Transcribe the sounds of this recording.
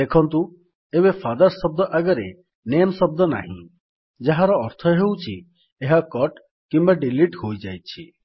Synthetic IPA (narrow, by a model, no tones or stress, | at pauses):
d̪ekʰɔnt̪ũ | eβefad̪ɔɾsɔb̚d̪ɔʔaɡɔɾe | nemsɔb̚d̪ɔna̰ɦḭ̃ | d͡ʒaɦaɾɔːɾt̪ʰɔɦewt͡ʃʰḭ | eɦakɔʈ | kimbaɖiliʈɦojd͡ʒajt͡ʃʰi